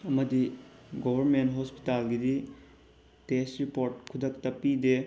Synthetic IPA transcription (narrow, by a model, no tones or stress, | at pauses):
ɐmɐdiɡobʱɐɾmentɦospi̥talɡidi | testɾipoɾt̚kʰudʱɐk̚tɐpide